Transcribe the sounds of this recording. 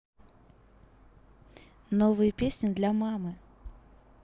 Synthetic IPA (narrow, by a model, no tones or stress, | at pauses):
novɨjəpʲesʲnʲɪd̪lʲɐmamɨ